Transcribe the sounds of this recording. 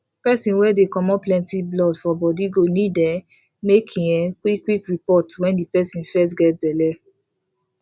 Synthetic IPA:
pɛsĩnwɛdekɔmɔplɛ̃ntiblɔdfɔbɔdiɡonĩdɛ | mekʰĩɛ̃kikwikɹipɔtwɛ̃ndipɛsĩnfɛst̬ɡɛt̚bɛlɛ

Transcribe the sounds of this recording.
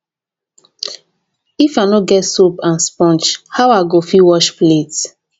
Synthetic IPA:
ifanɔɡɛtsupãnspɔ̃nt͡ʃhawaɡofiwɔʃplet

